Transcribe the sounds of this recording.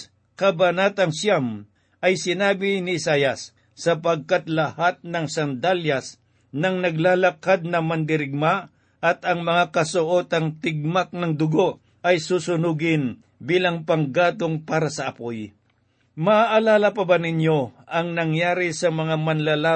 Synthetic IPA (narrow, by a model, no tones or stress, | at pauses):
kɐbɐnaːt̪ɐŋsjam | ʔɐjsɪnaːbɪnɪʔɪsaːjɐsː | ɐpɐɡ̚kat̪lɐhat̪̚nɐŋsɐnd̪aljɐs | nɐŋnɐɡlaːlɐkad̪̚nɐmɐnd̪ɪɾɪɡ̚ma | ʔɐt̪ɐŋmɐŋakɐsʊʔot̪ɐŋt̪ɪɡ̚mak̚nɐŋd̪ʊɡo̞ʔ | ʔɐjsusʊnuːɡɪn | biːlɐŋpɐŋɡaːt̪oŋpaːɾɐsɐɐpoj | mɐaʔɐlaːlɐpɐbanɪɲjo̞ʔɐŋnɐŋjaːɾɪsɐmɐŋamɐnlalaː